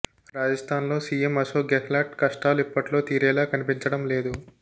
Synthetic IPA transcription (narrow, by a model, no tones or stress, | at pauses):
ɾaːd͡ʒɐst̪ʰaːnlo̞ːsiːjemɐsoːɡɛfʰlaːʈkɐʂʈaːluipːɐʈlo̞ːt̪iːɾɛːlaːkɐnipiɲt͡ʃɐɽɐmle̞ːd̪u